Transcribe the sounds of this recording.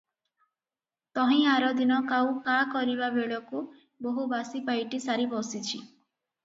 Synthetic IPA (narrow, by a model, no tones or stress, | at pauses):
t̪ɔɦĩaɾɔd̪inɔkaw̃kakɔɾibabeɭɔku | boɦubasipajʈisaɾibɔsit͡ʃʰi